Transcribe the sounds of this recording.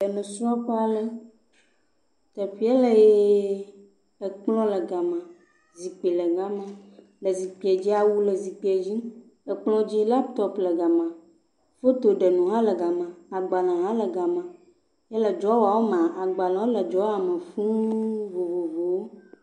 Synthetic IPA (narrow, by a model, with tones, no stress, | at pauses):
ə˨nũ˨sɾɔ˦pa˨lə˦ | t̪ɛ˨ɸi˦ɛ˦lə˨je˦ | ə˨k͡plɔ̃˦lə˨ɡa˨mã˨ | zi˨k͡pe˨lə˨ɡa˨mã˦ | lə˨zi˨k͡pi˨ɛ˨d͡ʑi˦a˨wu˦lə˨zi˨k͡pi˨˦ɛ˨d͡ʑi˦ | ə˨k͡plɔ̃˦d͡ʑi˦la˦pt̪ɔ˦plə˨ɡa˨mã˨ | fo˦t̪o˨ɖə˨nũ˨ɦã˦lə˨ɡa˨mã˨a˨ɡ͡ba˨nã˨ɦã˦lə˨ɡa˨mã˨ | jɛ˦lə˨d͡ʒɔ˨˦wa˨wo˦m̃˨ʔa˨ɡ͡ba˨lã˨o˦lə˨d͡ʒɔ˦a˨mə̃˨fũ˦vo˨vo˨vo˨wo˦